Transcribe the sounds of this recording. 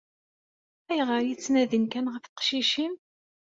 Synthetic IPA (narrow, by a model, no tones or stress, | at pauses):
æjʁəɾjit͡sːnæðənkænʁəfqʃiʃim